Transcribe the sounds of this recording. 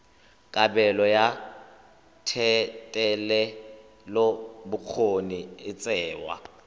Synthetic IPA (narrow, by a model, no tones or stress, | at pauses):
kʼabɛlɔja | tʰɛtʼɛlɛ | lobʊk͡xʰoniɪt͡sʼɛːwa̰